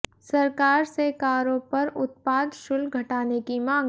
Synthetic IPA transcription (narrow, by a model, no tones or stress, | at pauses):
sɐɾkaːɾsekaːɾõpɐɾʊt̪̚paːd̪ʃʊlɡʱɐʈaːnekimãːŋ